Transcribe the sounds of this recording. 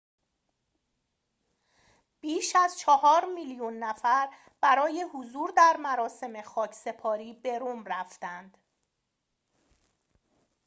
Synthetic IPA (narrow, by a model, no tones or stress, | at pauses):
b̥iːʃæzt͡ʃʰɒhɒːɾmiːljunːæfæɾ | b̥æɾɒːje̞huzuːɾd̪æɾmæɾɒːse̞me̞xɒːcʰse̞pʰɒːɾiːbe̞ɾumræft̪ænd̪̥